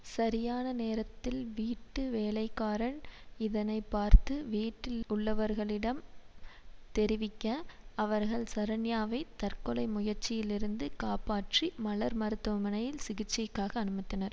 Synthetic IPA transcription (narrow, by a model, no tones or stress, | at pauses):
sɐɾɪjaːnɐneːɾɐt̪ːɪlʋiːʈːɯʋeːlɐɪkːaːɾɐɳɪðɐnɐɪpːaːɾt̪ɯʋiːʈːɪlʊɭːɐʋɐɾɣɐɭɪɽɐm | t̪ɛɾɪʋɪkːɐɐʋɐɾɣɐɭsɐɾɐɳjaːʋɐɪt̪ɐɾkɔlɐɪmʊjɐɾt͡ʃːɪjɪlɪɾɯnd̪ɯkaːpaːʈrimɐɭɐɾmɐɾɯt̪ːɯʋɐmɐnɐjɪlsɪɣɪt͡ʃːɪkːaːɣɐːnɯmɐɪt̪ːɐnɐɾ